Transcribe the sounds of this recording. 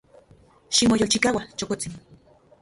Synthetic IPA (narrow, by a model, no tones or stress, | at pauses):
ʃimojolt͡ʃikawat͡ʃokot͡sin